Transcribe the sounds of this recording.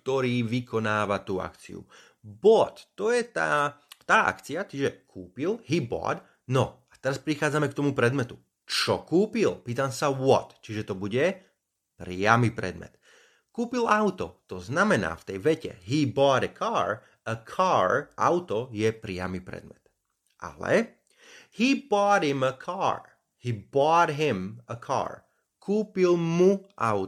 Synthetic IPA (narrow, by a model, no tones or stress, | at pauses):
kt̪ɔɾiːʋikɔnaːʋat̪uːa̰kt͡sḭṵ | bɔt̪ːɔjɛt̪a̰ːt̪aːʔa̰kt͡siat͡ʃiʒɛkʰuːpilɦibɔ̰ːd̪ | nɔat̪ɛɾaspɾixaːd͡zamɛkt̪ɔmupɾɛd̪mɛt̪u | t͡ʃɔkuːpilpiːt̪amsaʋɔt̪t͡ʃiʒɛt̪ɔbuɟɛ | pɾɪamipɾɛ̰d̪mɛ̰t̪ | kuːpilaʊt̪ɔ̰t̪ɔznamɛna̰ːft̪ɛjʋɛcɛ̰ɦibɔːɾəkʰaːɾ | əkʰaːɹʔa̰ʊt̪ɔjɛpɾɪa̰mipɾɛ̰d̪mɛ̰t̪ | ʔa̰lɛ̰ | hibɔːd̪ɦiməkʰaːɹ | hiːbɔːd̪ɦɪməkʰa̰ːɹ | kʰuːpilmuʔa̰ʊ